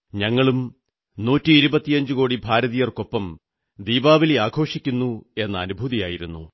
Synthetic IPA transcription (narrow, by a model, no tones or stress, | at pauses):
ɲɐŋːɐɭum | nuːtːiːɾubɐt̪ːijɐɲd͡ʑɨkoːɽibʱaːɾɐðijɐrko̞pːɐm | d̪iːbaːʋileaːɡʰʱo̞ːʂikʲːunːue̞nːɐːnubʱuːðijaːjiɾunːṵ